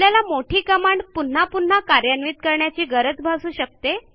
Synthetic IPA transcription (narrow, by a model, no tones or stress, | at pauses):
ljalamoʈʰiːkəmaɳɖpun̤ːapun̤akaɾjanʋiːt̪̚kəɾɳjat͡ɕiːɡəɾət͡sbʱasuːɕək̚t̪e